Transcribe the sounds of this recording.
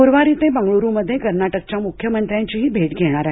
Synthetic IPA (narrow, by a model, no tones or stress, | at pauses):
uɾʋaɾit̪ẽbəŋɡɭoɾuməd̪ʱjekəɾnaʈək̚t͡ɕamukʰjəmənt̪ɾjãɲt͡ɕiɦiːbʱeʈɡʱeɽ̃aɾaɦe